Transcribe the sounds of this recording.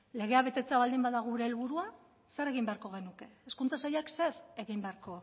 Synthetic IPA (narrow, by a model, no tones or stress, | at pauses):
le̞ɣ̞e̞aβe̞t̪e̞t͡seaβald̪imbaðaɣuɾe̞ːlβuɾua | se̞ɾe̞ɣ̞imbe̞aɾko̞ɣ̞e̞nuke̞ːskunt͡sasajakse̞ɾe̞ɣimbeaɾko̞